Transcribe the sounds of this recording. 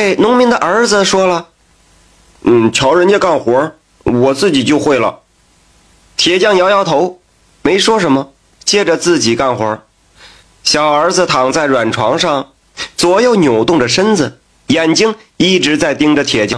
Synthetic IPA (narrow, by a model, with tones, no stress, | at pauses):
e˥˩ɪnʊ˧˥ŋmi˧˥ŋd̪ə˧ʔə˞˧˥d͡z̩˧ʂwɔ˥lə˨ | n̩˥˩t͡ɕʰjɑ˧˥ʊɻə˧˥nt͡ɕjɛ˥˧ka˥˩nxwɔ˧˥ | wɔ˨˩t͡sɹ̩˥˩t͡ɕi˨˩t͡ɕjo˥˧ʊxwe˥˩ɪlə̰˩ | t̪ʰjɛ˨˩t͡ɕjɑ˥˩ŋjɑ˧˥ʊjɑ˥ʊt̪ʰo˧˥ʊ | me˧˥ɪʂwɔ˥ʂə˧˥nmə˧ | t͡ɕjɛ˥˩ʈ͡ʂə˨t͡sɹ̩˥˩t͡ɕi˨˩ka˥˩nxwɔ̰˧˥ | ɕjɑ˨˩ʊə˞˧˥d͡z̩˧t̪ʰɑ˨˩ŋt͡sa˥˩ɪɻwa˨˩nʈ͡ʂʰwɑ˧˥ŋʂɑ˥˩ŋ | t͡swɔ˧˥jo˧˩ʊnjo˨˩ʊt̪ʊ˥˩ŋdə˩ʂə˥nd͡zɹ̩˩ | jɛ˨˩nt͡ɕi˥ŋ | i˥˩ʈ͡ʂɻ̩˧˥t͡sa˥˩ɪt̪i˥ŋʈ͡ʂə˨t̪ʰjɛ˨˩t͡ɕjɑ˥˧ŋ